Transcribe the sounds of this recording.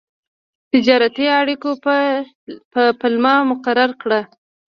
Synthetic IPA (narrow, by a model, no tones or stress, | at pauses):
t̪ɪd͡ʒɑɾat̪iaɽiko | pəpəlmɑmʊqaɾaɾkɽa